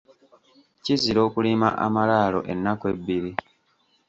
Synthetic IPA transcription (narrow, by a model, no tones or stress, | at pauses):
ciziɾo̞ːkulima̰ʔa̰malaːlo̞̰ʔe̞nːakwe̞bːiɾi